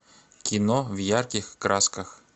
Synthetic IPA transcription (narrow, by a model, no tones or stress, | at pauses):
kʲɪnɔvjarkʲɪxkɾaskəx